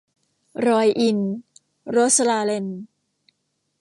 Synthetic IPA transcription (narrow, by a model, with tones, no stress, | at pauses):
ɾɔː˧jʔi˧n | ɾo˦˥t̪̚slaː˧le˧n